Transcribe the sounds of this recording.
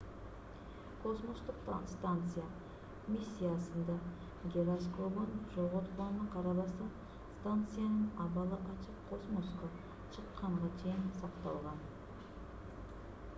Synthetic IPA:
kʰo̞smost̪əq̪st̪ant̪sɨja | mʲisʲːijasənd̪ɑ | ɡʲeɾaskobonʒoʁot̪lˠɑnnəqʰɑɾɑlˠɑsɑ | st̪ant̪sɨjanəɴɑbɑlˠəʔɑt͡ʃəqʰːo̞smoskə | ʃʰəqːɑɴʁɑt͡ʃʰe̞jɪnsɑqt̪ɑ̰lˠʁɑn

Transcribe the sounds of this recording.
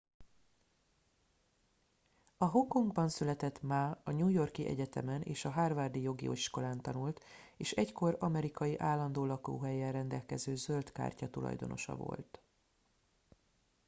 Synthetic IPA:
ɒɦo̞kːo̞ŋɡbɒnsylɛt̪ɛt̪maːɒɲuːjo̞rkiʔɛ̰ɟɛt̪ɛmɛnʔḛːʃɒɦaːrvaːrd̪ijo̞ɡḭoʃko̞laːnt̪ɒnult̪ | eːʃɛcko̞ɾɒmɛɾikɒjiʔaːlːɒnd̪oːlɒko̰ːɦɛjɛrɛnd̪ɛlkɛzøːzølt̪ka̰ːrcɒt̪ulɒ̰jd̪o̞̰no̞̰ʃɒ̰vo̞̰lt̪

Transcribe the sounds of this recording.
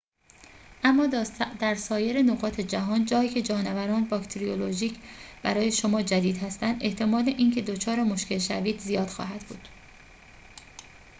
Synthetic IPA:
ʔæmːɒːd̪æɾsɒːje̞ɾe̞noɣɒːt̪ʰe̞d͡ʒæɦɒːnd͡ʒɒːiːcʰe̞d͡ʒɒːnevæɾɒːnbɒkt̪ʰeɾioloʒiːcʰb̥æɾɒːje̞ʃo̞mɒːd͡ʒæd̪iːd̪hæst̪ænd̪ʔe̞ht̪ʰe̞mɒːleʔiːncʰe̞d̪ot͡ʃʰɒːɾe̞mo̞ʃke̞lʃæviːd̪zijɒːd̪̥xɒ̰ːɦæd̪bṵːd̪̥

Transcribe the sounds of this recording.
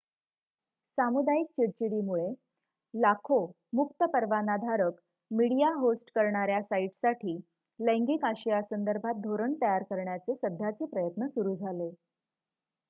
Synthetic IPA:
samud̪aik̚t͡ɕiɾt͡ɕiɽiːmuɭe | lakʰo | mukt̪əpəɾʋanad̪ʱaɾək | miɽijaɦosʈkəɾɳaɾjasaiʈsaʈʰiː | ləŋɡikaɕijasənd̪əɾbʱat̪̚d̪ʱoɾəɳt̪əjaɾkəɾɳjat͡sesəd̪ʱːjat͡sepɾəjət̪nəsuɾuːd͡zʱale

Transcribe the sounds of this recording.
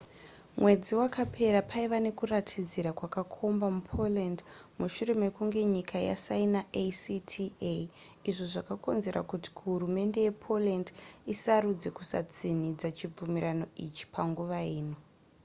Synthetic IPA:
mwe̞d͡ziwakapʰe̞ɾapʰaiʋane̞kuratʰid͡ziɾakwakakʰo̞mbamupʰo̞lendmuʃure̞me̞kuŋɡe̞ɲikʰaja̰sainaʔesitʰieiʐoʐakako̞̰nze̞ɾa̰kuti̥kɦuɾume̞nde̞jepʰo̞lendisaɾud͡ze̞kusa̰t͡sinid͡zat͡ʃib͡vumiɾano̞it͡ʃi̥pʰaŋɡuʋaiːno̞

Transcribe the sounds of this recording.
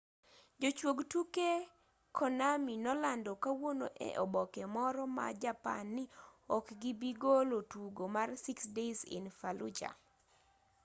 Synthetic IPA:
d͡ʒot͡ʃwoɡtuke | kʰɔnaminɔlandɔkawonoʔɛ̰ʔɔbɔkɛmɔɾɔma̰d͡ʒapa̰nːɪɔkɡibiɡolotuɡomarsiksdezɪ̰nfalṵd͡ʒa̰

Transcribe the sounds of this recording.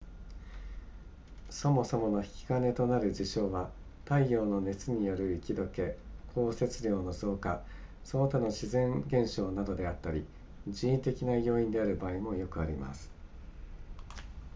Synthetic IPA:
so̞mo̞so̞mo̞no̞çi̥kʲi̥ɡane̞t̪o̞naɾɯ̟d͡ʑiɕo̞ːβa | t̪aijo̞ːno̞ne̞t͡sɨɲ̟ijo̞ɾɯ̟ikʲid̪o̞ke̞kʰo̞ːse̞t͡sɨɾʲjo̞ːno̞zo̞ːkasonot̪ano̞ɕizẽ̞ŋɡẽ̞ɰ̃ɕo̞ːnad̪o̞d̪e̞at̪ːaɾʲi | d͡ʑiĩnt̪e̞kʲinajo̞ːĩnd̪e̞aɾɯ̟baːimo̞jo̞kɯ̟aɾʲima̰sɨ̥

